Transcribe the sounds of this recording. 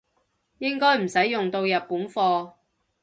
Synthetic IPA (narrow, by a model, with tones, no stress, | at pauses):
jɪ˥ŋkɔː˥jm̩˨˩sɐ˨˥jːʊ˨ŋt̪o˧wjɐ˨t̚puː˨˥nfɔː˧